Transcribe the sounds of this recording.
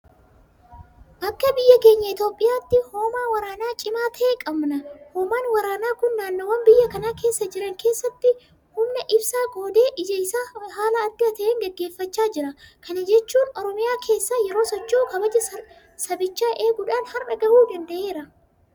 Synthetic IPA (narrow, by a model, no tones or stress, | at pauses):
ʔɐkːɐbɪjːɐke̞ːɲːɐɪt̪o̞ːpʼːɪjaːt̪ːɪhoːmaːwɐɾaːnaːt͡ʃʼɪmaːt̪ʰɐeːkʼɐbnɐhoːmaːnwɐɾaːnaːkʊnːaːnːowɐnbɪjːɐkɐnaːke̞ːsːɐd͡ʒɪɾɐŋkʰe̞ːsːɐt̪ːɪ | hʊmnɛʔɪbsaːɡo̞ːd̪e̞ːʔɪd͡ʒɐɪsaːɦaːlɐːd̪ɪɐt̪ɐʔeːŋɡɛɡːe̞ːfːɐt͡ʃːaːd͡ʒɪɾɐkʰɐnɐd͡ʒɛt͡ʃːuːnɔɾɔmɪjaːkʰe̞ːsːaːjɛɾo̞ːsɔt͡ʃːoːkɐbɐd͡ʒɐ | sɐbɪt͡ʃːaːʔe̞ːɡʊᶑaːnhɐrʔɐɡɐʔuːd̪ɐnd̪ɐʔe̞ːɾɐ